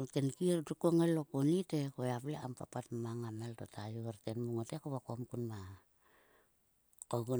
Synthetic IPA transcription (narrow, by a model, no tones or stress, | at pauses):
tenkirdukoŋalokonitekoeapleampa̰patmaŋameltotʰajuaɾtenmuŋotekoβakomkunma | koɡu